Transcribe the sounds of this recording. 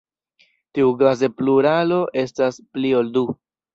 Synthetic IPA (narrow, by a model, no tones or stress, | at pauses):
tiuɡaze̞pluɾalo̞ʔe̞stasplio̞ldu